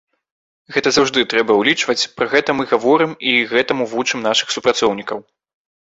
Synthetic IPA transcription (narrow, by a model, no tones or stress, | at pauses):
ɣɛt̪ɐzawʐd̪ɨt̪ɾɛbɐwlʲit͡ʂvɐt͡sʲpɾɐɣɛt̪ɐmɨɣavɔɾɨmiɣɛt̪ɐmuvut͡ʂɨmnaʂɨ̥xsupɾat̪sɔwnʲikɐw